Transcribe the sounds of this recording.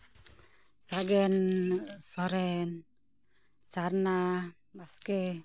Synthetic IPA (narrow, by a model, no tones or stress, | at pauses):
saɡɛnsɔɾɛn | sarna | maskɛ